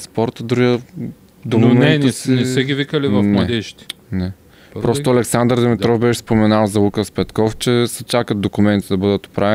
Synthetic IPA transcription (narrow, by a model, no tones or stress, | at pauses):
spɔɾt̪əd̪ɾujə | d̪ommɛɛnninɛsɛɡʲivikəlivɐfnɐd̪ɛʃt̪ʲi̥nɛ | ppɾɔst̪oɐlɛksand̪ɾd̪ɛmɛt̪ɾɔfbɛʃɛspomɛnalˠzɐlˠukəspɛt̪kɔft͡ʃɛsɛt͡ʃakət̪̚d̪okʊmɛnt̪id̪ɐbɤd̪ət̪o̥pɾavɛ